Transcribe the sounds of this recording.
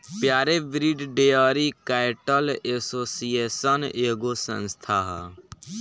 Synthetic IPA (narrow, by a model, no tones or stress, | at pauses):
pjaːɾebɾiɖɖejaːɾikaːɪʈəlesoːsijeːsəneːɡosə̰̃nst̪ʰaːɦ